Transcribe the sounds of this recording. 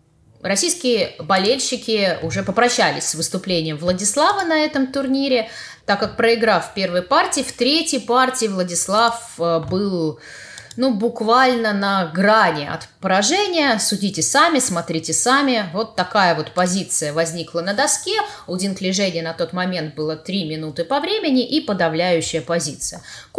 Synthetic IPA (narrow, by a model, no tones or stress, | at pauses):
rɐsʲijskʲɪjəbɐlʲelʲɕːɪkʲɪʊʐɛpəpɾɐɕːælʲɪ̰sʲsvɨst̪ʊplʲenʲɪjəmvlˠədʲɪslˠavɨnɐɛt̪əmt̪ʊrnʲiɾʲɪt̪akːak̚pɾəɪɡɾafpʲe̞rvəjpartʲɪːft̪ɾʲetʲjəjpartʲɪːvlˠədʲɪslˠafəbɨlˠ | nubʊkvalʲnənɐɡɾanʲɪɐ̰t̪pəɾɐʐɛnʲɪjəsʊdʲitʲɪsamʲɪsmɐt̪ɾʲitʲɪsamʲɪvo̞t̪ːɐkajəvo̞t̪pɐzʲit̪sɨjəvɐzʲnʲiklˠənəd̪ɐskʲe̞ʊdʲɪnklʲɪʐɛnʲɪjənɐt̪o̞t̪mɐmʲe̞nt̪̚bɨlˠət̪ɾʲimʲɪnut̪ɨpɐvɾʲemʲɪnʲɪʔipəd̪ɐvlʲæjʉɕːɪjəpɐzʲit̪sɨjə